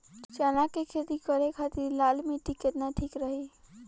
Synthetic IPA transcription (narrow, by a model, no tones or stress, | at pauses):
t͡ʃaːnakekʰeːt̪ikəɾekʰat̪iɾlaːlmẽʈikːɪt̪naʈʰiːkɾəɦe